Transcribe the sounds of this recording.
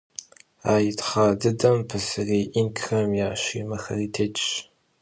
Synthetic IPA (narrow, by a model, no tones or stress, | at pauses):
aːjɪtʰχaːdɨdɐmpʰɨsɨreːʔinkʰxɐmjaːɕʷiːmɐxɐ̰ritʰeːt͡ʃʼɕ